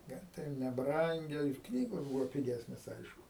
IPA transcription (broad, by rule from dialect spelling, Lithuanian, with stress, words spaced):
ˈnʲɛ tɐɪ ˈjɛʊ nʲɛˈbrɐŋʲɡʲɛ ɪr ˈknʲiːɡoːs ˈbuːʋoː pʲɪˈɡʲæːsʲnʲeːs ˈɐɪʃkʊ